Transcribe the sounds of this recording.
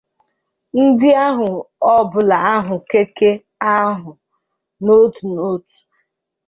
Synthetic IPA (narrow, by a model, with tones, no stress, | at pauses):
n̩˦dɪ˦a˦ɦʊ˨ɔ˦bʊ˨la˨a˦ɦʊ˨ke˦ke˦ | a˦ɦʊ˨ | no˦tu˨no˦tu̥˨